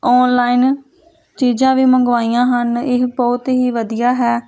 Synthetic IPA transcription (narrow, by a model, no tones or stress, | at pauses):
ɔːnlaːiːn | t͡ʃiːd͡ʒãːʋiːməŋɡʋaːiːãːɦənɪɦbɔːt̪ɦiːʋəd̪ijaːɦɛː